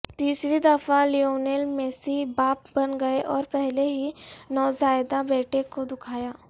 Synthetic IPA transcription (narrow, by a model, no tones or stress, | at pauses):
t̪iːsɾid̪ɐfalioːnelmeːsibaːp̚bɐnɡɐeʔɔːɾpɛɦleɦinɔːzaːɪd̪abɛːʈʰekod̪ʊkʰaːjaː